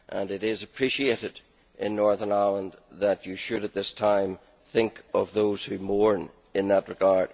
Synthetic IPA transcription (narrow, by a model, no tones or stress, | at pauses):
ʔə̃nɨɾɪzəpʰɹ̥iʃieɾɪd | ʔɪ̃nːɔɹðə˞naɪlˠə̃nðət͡ʃɨʃɨɾət̪̚ðɪstʰãɪ̃m | θɪ̃ŋkʌvðoz̥hʉmɔɹn | ɪ̃nðəʔ̚ɹɨɡaɹd̥